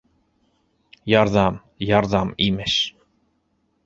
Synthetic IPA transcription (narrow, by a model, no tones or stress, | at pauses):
jɑɾðɑm | jɑɾðɑmimeʃ